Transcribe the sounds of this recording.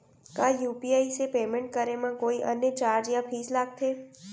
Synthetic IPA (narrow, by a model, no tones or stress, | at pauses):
kaːjuːpiaːisepeːmɛ̃ɳʈ̚kəɾemãkoːiʔə̰njət͡ʃaːɾd͡ʒjãpʰiːslaːɡ̚t̪ʰeː